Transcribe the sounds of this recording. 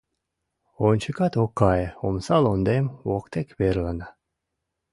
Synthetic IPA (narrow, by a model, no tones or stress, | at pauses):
onʲt͡ʃʰɨkɑt̪okːɑjomsɑlˠond̪emwokt̪ekβeɾlˠana